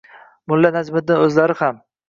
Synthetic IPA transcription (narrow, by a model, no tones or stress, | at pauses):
mʊlːanazmɪd̪̚ɪnɵzlaɾɪham